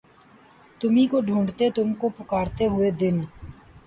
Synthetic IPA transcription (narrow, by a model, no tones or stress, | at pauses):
t̪ʊmikoɖʱũːɳɖt̪et̪ʊmkopʊkaːɾt̪eɦʊed̪ɪn